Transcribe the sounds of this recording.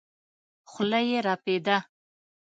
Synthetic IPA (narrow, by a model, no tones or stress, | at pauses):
xʊlajeɾɑped̪a